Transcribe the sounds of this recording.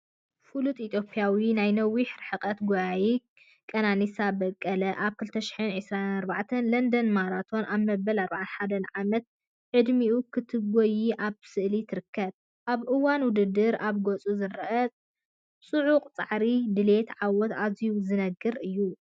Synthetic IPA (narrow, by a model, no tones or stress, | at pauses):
fulut̪ʼit̪ʰjo̞pʼijawinajnɐwːiħɾħɨqʼɐt̪ɡojaji | kʼɐnanisabɐkʼːɐlɐʔaβkʰɨlt̪ʰɐʃɪ̥ħɨnʕɨsɾanaɾbaʕt̪ʰɐnlɐnd̪ɐnmaɾat̪ʰo̞nʔaβmɐbɐlaɾbaʕanħad̪ɐnʕamɐt̪̚ | ʕɨd̪miʔukʰɨt̪ʰɨɡojiʔaβsɨʔlit̪ʰɨɾɨkʰːɐβ | ʔaβʔɨwanwʊd̪ɨd̪ːɨɾʔaβɡot͡sʼuzɨɾɨʔɐt͡sʼ | sʼuʕuqʼt͡sʼaʕɾid̪ɨle̞t̪ʕawɔt̪azijuzɨnɐɡɨɾɨjːu